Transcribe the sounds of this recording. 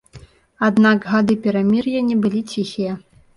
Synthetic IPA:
ad̪naɡɣad̪ɨpʲɛɾamʲirjanʲɛbɨlʲit͡sʲixʲijɛ

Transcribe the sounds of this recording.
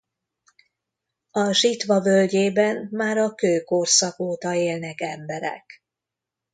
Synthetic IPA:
ɒʃit̪ʋɒvølɟeːbɛnmaːɾɒkøːkorsɒkoːt̪ɒeːlnɛkɛmbɛɾɛ̰k

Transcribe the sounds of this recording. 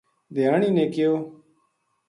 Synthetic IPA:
d̪ɪjaːɳiːnẽːkɪjoː

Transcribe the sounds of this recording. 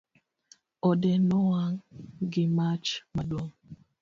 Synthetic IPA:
ɔdɛnɔwaŋɡɪmat͡ʃmadwoŋ

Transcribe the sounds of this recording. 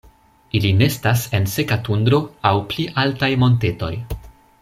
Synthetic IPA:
iline̞stase̞nse̞katund̪ɾo̞awpliʔaltajmo̞nte̞to̞̰j

